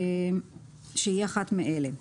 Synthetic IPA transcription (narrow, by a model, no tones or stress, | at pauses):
ʃejiaχat̪miʔele